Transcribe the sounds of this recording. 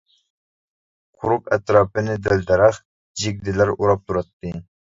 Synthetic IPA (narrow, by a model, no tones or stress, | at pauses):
qʰʊɾʊqɛt̪ɾɑːpɨnɪd̪æld̪ɛɾɑχ | d͡ʒɪɡ̚ʲd̪ɪlæɾuɾɑp̚t̪ʰuɾɑt̪ːɨ